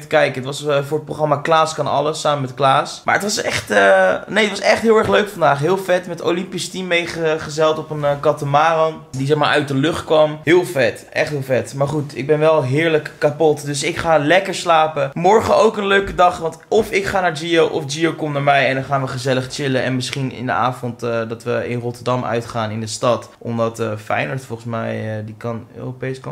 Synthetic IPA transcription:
təkɛjkəətʋɑsfʊːɹət̚proxχrɑmaːklaːskɑnɑ̰ləsːaːməmɛtklaːsma̰ːɹətʋɑsɛχtənejətʋɑsɛχtɦɪːlˠɛɹχløɥkfɑndaːχɦɪːlˠfɛtmɛto̰wlɪmpistimejχəχəzɛlˠtɔpənkɑtəmaːrɔn | dizɛχmaːɹʔœ̰ɥt̚dəlɵχtkʋɑmɦɪːlˠfɛtʔɛ̰χtɦɪːlˠfɛtmaːɹχutɪ̰ɡ̚bɛnʋɛlˠɦɪːɹləkːapɔtdɵsɪkχaːlɛkəɹslaːpəmɔɹχəowkənløɥkədɑχʋɑntɔfɪkχaːnaːɹd͡ʒiowʔɔfd͡ʒiowkɔmnaːɹmɛjɛndɑnχaːnʋəχəzɛləχt͡ʃɪləɛ̰nmɪsχinɪ̰ndə̰a̰ːvɔntːdɑtʋəɪ̰nrɔtəɹdɑmœ̰ɥtχaːnɪndəstɑtʔɔmdɑtəfɛ̰jnəɹtfɔlˠχəsmɛjdikɑnø̰ːropejsk

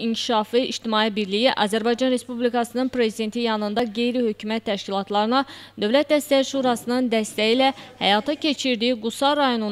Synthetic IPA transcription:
iɲcʰi̥ʃɑfɯiʃt̪imɑːibiɾlijiʔɑ̰ːzæɾbɑjd͡ʒɑnɾe̞spublikɑsɯnɯnpɾe̞zid̪e̞nt̪ʰijɑnɯnd̪ɑɡe̞jɾihø̞cʰymæt̪ʰːæʃcilˠɑt̪ʰlˠɑɾɯnɑd̪ø̞vlæt̪̚d̪æst̪æjiʃuɾɑsɯnɯnd̪æst̪æjilæhæ̰jɑt̪ʰɑcʰe̞t͡ʃʰiɾd̪iiɡusɑɾɑjo̞nu

